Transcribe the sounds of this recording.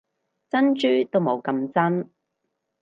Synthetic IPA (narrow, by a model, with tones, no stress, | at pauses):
t͡sɐ˥nt͡ʃyː˥t̪o˥wmo˨˧wkɐ˧mt͡sɐ˥n